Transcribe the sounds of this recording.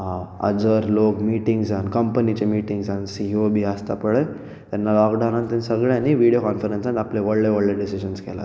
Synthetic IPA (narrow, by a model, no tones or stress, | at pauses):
ɦãə̰d͡zəɾlokmiʈiŋɡd͡zankəmpənit͡ɕemiʈĩŋɡd͡zansiobiast̪apəɽe | t̪janːalɔkɖanãnt̪ənsəɡɭjaniʋiɽijokɔnfəɾensanapleʋəɽleʋəɽleɖisiɕənskɛla̰